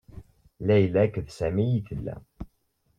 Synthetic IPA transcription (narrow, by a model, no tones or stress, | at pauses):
læjəlækːəðsæmijiθəlːæ̰